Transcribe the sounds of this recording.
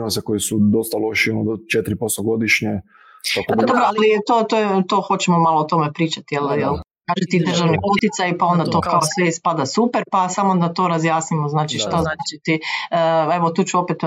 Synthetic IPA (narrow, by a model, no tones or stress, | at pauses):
maseko̞isud̪ost̪aloʃionod̪ot͡ʃet̪ɾipost̪oɡo̞d̪iʃɲe | apad̪obɾoallit̪oːt̪ojet̪o̞xo̞t͡ɕemomalˠoot̪o̞mepɾiːt͡ʃat̪ijeljelkaːʒet̪id̪r̩ʒaʋniut̪it̪sajpao̞nd̪at̪o̞kaosʋeispad̪asupeɾpasamod̪at̪o̞ɾazjaːsnimoznaːt͡ʃiʃt̪aznaaːt͡ʃit̪i | eʋo̞t̪uːt͡ɕuopet̪